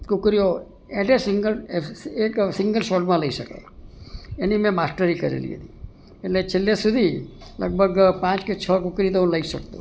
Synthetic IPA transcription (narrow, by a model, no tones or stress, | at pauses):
kʊkɾijo | eʈesɪŋɡəleksɪŋɡəlʃoʈmãləiʃəka̰ | enimẽmasʈəɾikəɾḛlḭɦə̰t̪i | eʈlet͡ʃʰelːesud̪ʱilə̰ɡ̚bʱəɡpãt͡ʃket͡ʃʰəkʊkɾit̪oũləiʃəkt̪o̰